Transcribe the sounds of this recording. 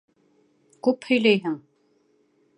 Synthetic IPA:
kʉphɵ̆jlæjɦɘŋ

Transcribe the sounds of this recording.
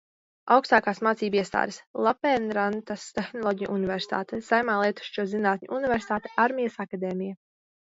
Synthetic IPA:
awkst̪aːkaːsmaːt̪siːbiɛst̪a̰ːd̪islˠapɛnɾant̪ast̪exnɔlˠɔːɟʲijʔunivɛɾsi̥t̪a̰ːt̪ɛsajmaːlˠiɛt̪u̥ʃt͡ʃuɔzinaːt̪ʲɲʲṵʔunivɛɾsit̪aːt̪e̥ʔaɾmʲijasakad̪eːmʲija

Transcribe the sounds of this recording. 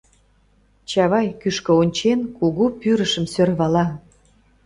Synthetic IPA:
t͡ɕɑβɑjkyʃkə̆onʲt͡ɕenkuɣupyɾəʃə̆msørβɑlɑ

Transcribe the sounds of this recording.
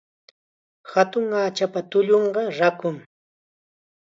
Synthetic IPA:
hat̪ʊŋaːt͡ʃapat̪ʊʎoɴɢɑɾakʊŋ

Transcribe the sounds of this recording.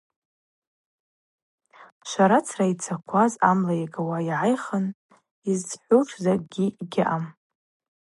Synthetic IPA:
ʃʷaɾat͡sʰrait͡sʰakʷʰazamlajaɡawaiʕajχən | izd͡zħʷuʃʰʼzaɡʲiɡʲɪʔam

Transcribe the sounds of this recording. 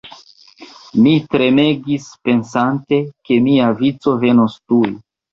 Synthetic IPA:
mitɾe̞me̞ɡispe̞nsante̞ke̞miavit͡so̞ve̞nostuj

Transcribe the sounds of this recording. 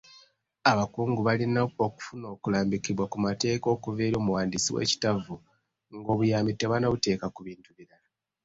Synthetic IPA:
aβakuːŋɡuβalinaoku̥funo̞ːkulaːmbikiβwakumate̞ːko̞ːkuveːɾo̞ːmuwaːndisiwḛːci̥tavu | ŋɡo̞ːβujaːmitːeβanaβute̞ːkakuβiːntuβiɾala

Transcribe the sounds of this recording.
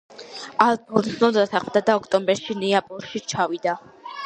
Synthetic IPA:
alˠʰɔlˠt̪snɔd̪at̪ʰaχmd̪ad̪aɔkʰt̪ʼɔmbɛɾʃinɛapʼɔɾʃit͡ʃʰavid̪a

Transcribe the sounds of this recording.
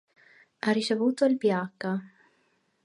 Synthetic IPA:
arːit͡ʃevuːt̪oilpjakːa

